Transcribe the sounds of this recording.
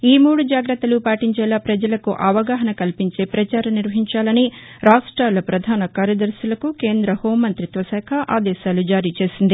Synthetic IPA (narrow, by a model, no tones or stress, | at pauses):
iːmuːɽud͡ʒaːɡɾɐt̪ːɐlupaːʈiɲt͡ʃɛːlaːpɾɐd͡ʒɐlɐkuʔɐʋɐɡaːɦɐnɐkɐlpiɲt͡ʃe̞ːpɾɐt͡ʃaːɾɐniɾʋɐɦiɲt͡ʃaːlɐniɾaːʂʈɾaːlɐpɾɐd̪ʱaːnɐkaːɾjɐd̪ɐɾʃjɐlɐkukeːnd̪ɾɐhoːmɐnt̪ɾit̪ʋɐsɛːkʰɐʔaːd̪ɛːʃaːlud͡ʒaːɾiːt͡ʃe̞ːsind̪i